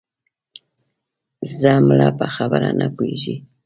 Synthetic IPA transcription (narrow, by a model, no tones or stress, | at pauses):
zamulapʼaxaβaɾanakwiʒi